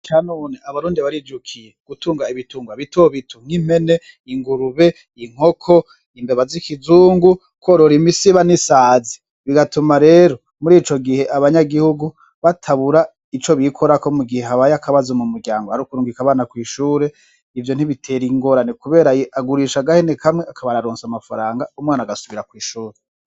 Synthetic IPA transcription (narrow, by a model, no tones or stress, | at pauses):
kanoːneʔaβaɾuːndiβaɾid͡ʒukʰijeɡ̥utʰuːŋɡaiβituːŋɡwaβitoβitʰuŋ̥im̥e̞ne̞ | iŋɡuɾuβe̞ | iŋ̥o̞kʰo̞ | imbeβazikizuːŋɡu | koɾoɾimisiβanisaːzi̥ | βiɡatumaɾe̞ːɾo̞ | muɾiːt͡ʃo̞ɡihe̞ʔaβaɲaɡihuɡu | βatʰaβuɾa | it͡ʃo̞βikʰo̞ɾako̞muɡiheɦaβajakʰaβazomumuɾɟaːŋɡohaɾukuɾuːŋɡikaβaːnakwiːʃuːɾe̞ | ivjo̞n̥iβitʰe̞ɾiŋɡo̞ɾanekuβe̞ːɾajeʔaɡuɾiːʃaɡahenekʰamŋeakʰaβaɾaɾoːnsamafaɾaːŋɡaumŋaːnaɡasuβiɾakwiːʃuːɾe